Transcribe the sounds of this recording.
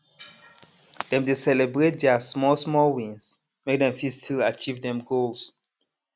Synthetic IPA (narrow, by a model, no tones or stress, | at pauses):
dɛ̃mdesɛlebɹet̚dɛasmɔlsmɔlwĩns | mek̚dɛ̃mfistʰilat͡ʃivdɛ̃mɡols